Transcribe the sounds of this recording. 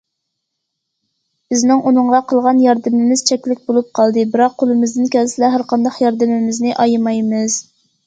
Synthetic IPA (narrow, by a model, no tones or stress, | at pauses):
b̥ɪznɪŋʔunɨɴʁɑqʰəlˠʁɑnjɑɾd̪ɪmɪmɪz̥t͡ʃʰɛkʲlɪk̚ʲbolˠup̚qʰɑlˠd̪ɨbɪɾɑqʰːolˠɨmɪzd̪ɪnkʲɛlsɪlɛɦæɾqɑnd̪ɑχjɑɾd̪ɨmɪmɪznɪʔɑjmɑjmɨz̥